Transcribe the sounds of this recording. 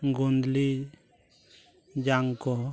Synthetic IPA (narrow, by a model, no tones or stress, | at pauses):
ŋɡund̪li | d͡ʒaŋkɔ